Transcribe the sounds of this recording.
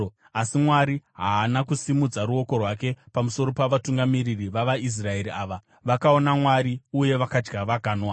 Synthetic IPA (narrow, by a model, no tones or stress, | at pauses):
asimwaɾiɦaːnakusimud͡zaɾuo̞ko̞rwake̞pamuso̞ɾopaʋatuŋɡamiririʋaʋais̬rae̞ɾiaːʋa | ʋakao̞namwaɾiuje̞ʋakad͡ʒɡaʋaɡʱaːnwa